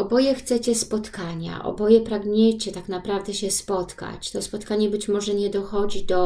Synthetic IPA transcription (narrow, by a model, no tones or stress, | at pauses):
ɔbɔjɛxt̪sɛt͡ɕɛspɔt̪kaɲa̰ʔɔ̰bɔjɛpɾaɡɲɛt͡ɕɛt̪aknapɾavd̪ɛɕɛspɔt̪ka̰t͡ɕt̪ɔspɔt̪kaɲɛbɘt͡ɕmɔʐɛɲɛd̪ɔxɔd͡ʑid̪ɔ